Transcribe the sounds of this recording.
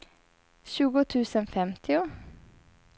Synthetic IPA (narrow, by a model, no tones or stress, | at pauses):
ʃʉːɡʊt̪ʰʉːsənfɛmt̪ʰɪʊ